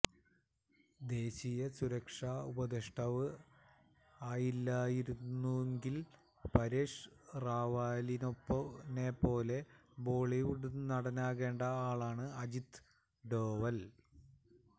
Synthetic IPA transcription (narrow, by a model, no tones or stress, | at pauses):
d̪e̞ːɕijɐsuɾɐkʂaubɐd̪eʂʈɐʋɨ | aːjilːaːjiɾunːueŋɡil | pɐɾeːʂraːʋaːlinopːɐnepo̞ːle̞bo̞ːɭiʋuɽunɐɽɐnaːɣe̞ːɳɖɐaːɭaːɳɨɐd͡ʑit̪ | ɖo̞ːʋɐl